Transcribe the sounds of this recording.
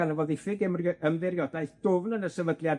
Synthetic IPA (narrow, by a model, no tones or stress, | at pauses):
anəvɔðɪfɪɡɛmrəmðɪrjɔdajθd̥ʊvnənəsɛvədlˠja